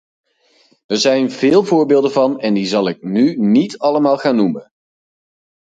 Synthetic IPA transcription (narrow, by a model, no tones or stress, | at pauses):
əɹzɛjnvɪːlˠvʊːɹbɪːlˠdənvɑnɛndizɑlˠɪk̚nynitɑləmaːlˠχaːnːumən